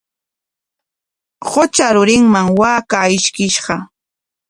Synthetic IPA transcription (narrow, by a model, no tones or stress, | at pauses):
ɢot͡ʃaɾʊɾɪŋmaŋwaːkaɪʃkɪʃɢɑ